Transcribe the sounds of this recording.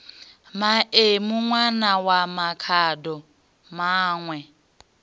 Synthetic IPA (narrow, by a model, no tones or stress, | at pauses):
maemʊŋwanawamakʰaːdɔ | maːŋwɛ